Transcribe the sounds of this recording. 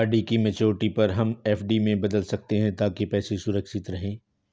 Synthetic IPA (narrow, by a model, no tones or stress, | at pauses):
aːɾɖikimɛt͡ʃoːɾʈipɐɾɦɐmɛːfɖimẽbɐd̪əlsɐk̚t̪eɦɛ̃t̪aːkepɛːsesʊɾəkʃɪt̪ɾɐɦẽː